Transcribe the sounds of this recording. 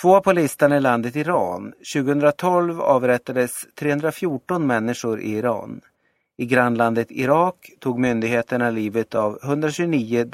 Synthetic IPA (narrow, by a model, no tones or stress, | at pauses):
t̪ʰvoːpʰɔlɪst̪anɪland̪ət̪ɪɾɑːnɕʉ̟ːɡəhɵnd̪ɾat̪ʰɔlvɑ̰ːvɾɛt̪ːad̪əst̪ʰɾeːɵnd̪ɾafjuːʈɔnmɛnːɪʂʊɾʔɪ̰ɪɾɑ̰ːn | ɪɡɾanːland̪ət̪ɪ̰ɾɑːkt̪ʰuːɡmʏnd̪ɪɡheːt̪əɳaliːvət̪ʰavhɵnd̪ɾaɕʉɡniːʊ